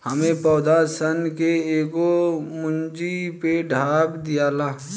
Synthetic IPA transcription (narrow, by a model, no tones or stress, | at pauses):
həmẽpɔːd̪asənkeeːɡomʊnd͡ʒipeɖʱaːbd̪ijaːlaː